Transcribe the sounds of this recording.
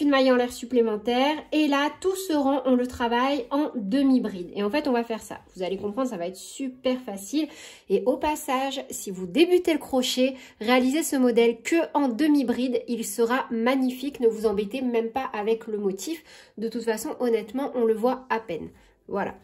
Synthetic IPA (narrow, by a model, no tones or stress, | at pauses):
ynmajɑ̃lɛʁsyplemɑ̃t̪ɛːʁelat̪usəʁɑ̃ʔɔ̃lət̪χavajɑ̃d̪əmibʁid̪ḛɑ̃fɛt̪ɔ̃vafɛʁsa̰vuzalekɔ̃pχɑ̃d̪ʁsavaɛt̪χsypɛʁfasil | eʔopasaʒsivud̪ebyt̪eləkχɔʃe | ʁealizesəmɔd̪ɛlkʰəʔɑ̃d̪əmibʁid̪ilsəʁamaɲifiknəvuzɑ̃bet̪emɛmpaʔavɛkləmɔt̪ʰifd̪ət̪ut̪fasɔ̃ʔɔnɛt̪mɑ̃ʔɔ̃ləvwaapɛn | vwala̰